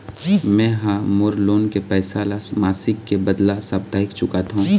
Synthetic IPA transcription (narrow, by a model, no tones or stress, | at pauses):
mɛ̃ɦamoɾloːnkepɛːsalamaːsɪkːebɐd̪lasab̚t̪aːɪkt͡ʃʊkat̪ʰɦũ